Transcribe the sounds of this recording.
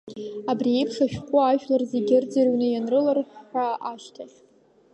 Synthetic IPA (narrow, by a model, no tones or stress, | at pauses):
abriejpʰʂaʃᶣqʷʼʊaʒᶣlarzeɡʲɪrd͡zarwnɨjanrɨlarħħaaʃtʰaχʲ